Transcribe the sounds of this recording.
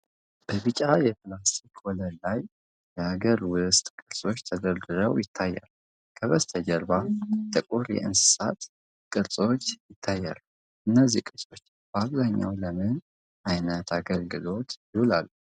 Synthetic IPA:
b̥əβɨt͡ʃʼːajɛp̪ʰlast̪ʰikʰwɔləllaj | jɛhaɡəɾwʊst̪ʼkʼɨɾsʼo̞t͡ʃːt̪ʰəd̪əɾd̪ɨɾəwjɪt̪ʰːajːa̰l | kʰəβəst̪ʰəd͡ʒəɾbat̪ʰəkʼuɾjɛ̰ɨnsɨ̥sat̪ | kʼɨɾsʼo̞t͡ʃːjɪt̪ʰːajːa̰lu | ʔɨnːəzːikʼɨɾsʼo̞t͡ʃː | b̥aβzaɲːa̰wləmɨn | ʔajnət̪ʰaɡəlɡɨlo̞t̪jɪhulalːu

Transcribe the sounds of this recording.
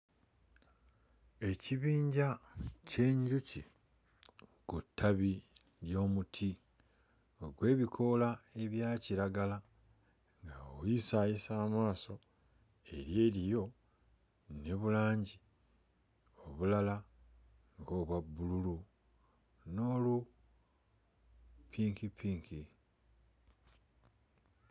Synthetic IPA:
e̞ciβiːɲɟace̞ɲɟucḭ | kutʰːaβi | ljo̞ːmutʰi | oɡwe̞ːβikʰo̞lae̞βjaːciɾaɡala | ŋɡaowjisajisaːmaːso̞ | e̞̰ɾje̞ːɾijo̞ | ne̞βulaːɲɟi | o̞βulala | ŋɡo̞βwabːululu | noːlu | pʰiːŋkipʰiːŋki

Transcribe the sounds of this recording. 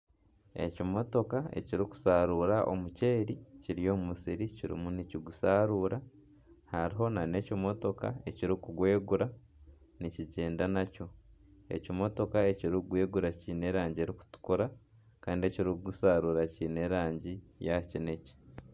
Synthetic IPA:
e̞̰cimo̞to̞kae̞̰ciɾiku̥saːɾuːɾaʔo̞̰muce̞ːɾiciɾijo̞ːmumusiɾiciɾḭmuniciɡusaːɾuːɾa | haɾiɦo̞nane̞ːcimo̞to̞ka̰e̞ciɾikuɡwe̞ːɡuɾa | niciɟe̞ːndanaco̞e̞̰cimo̞to̞kaeciɾiɡwe̞ːɡuɾaciːne̞ɾaːɲɟie̞ɾiku̥tu̥koɾa | kaːndieciɾikuɡusaːɾuːɾaciːne̞ːɾaːɲɟijacine̞ci̥

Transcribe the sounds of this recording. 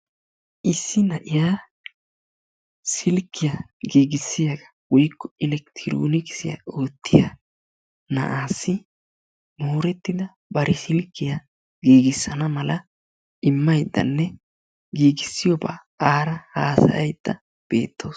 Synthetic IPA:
ʔɪsːɪnɐʔɪjaː | sɪlkːɪjɐɡiːɡɪsːɪjaɡɐ̥ | wɔjkːɔɪlɛkt̪ʰɪɾo̰ːnɪkɪ̥sɪjɐ̰o̞ːt̪ːɪja | nɐ̰ʔaːsːɪ | moːɾɛt̪ːɪd̪ɐ | bɐɾɛsɪlkːɪja | ɡiːɡɪsːɐnɐmɐlɐ | ʔɪmːɐjd̪ːɐ̰nːɛ | ɡiːɡɪsːɪjɔba̰ː | aːɾɐhaːsɐ̰jɐjd̪̥ːɐ | b̥e̞̰ːt̪ːo̞ːs

